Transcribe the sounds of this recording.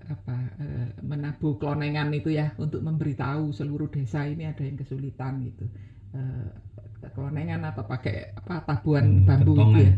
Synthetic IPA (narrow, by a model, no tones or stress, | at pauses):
apaə̰mənab̥ṳkəlonɛŋanit̪ujaunt̪ʊk̚məmbəɾit̪ausəluɾud̥e̤sainiad̥a̤jaŋkəsulit̪anɡit̪u | ə | kəlɔnɛŋanap̪apakɛ̰ʔapat̪ab̥uanb̥a̤mbuit̪uja